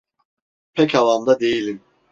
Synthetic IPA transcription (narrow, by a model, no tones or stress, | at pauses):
pʰɛcʰalˠamd̪ad̪e̞jilʲim